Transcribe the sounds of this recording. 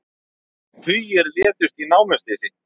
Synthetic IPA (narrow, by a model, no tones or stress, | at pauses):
hʰʏjɛɾvɛːt̪ʏst̪inaːwmɛst̪ɪsɪ